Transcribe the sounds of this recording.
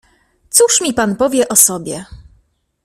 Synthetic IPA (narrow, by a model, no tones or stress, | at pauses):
t̪suʂmʲipanpɔvʲjɛʔɔsɔbʲjɛ